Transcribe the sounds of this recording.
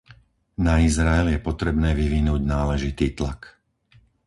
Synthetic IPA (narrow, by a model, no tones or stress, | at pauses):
naizɾaɛljɛpɔt̪ɾɛbnɛːʋiʋinuːɟnaːlɛʒit̪iːt̪lak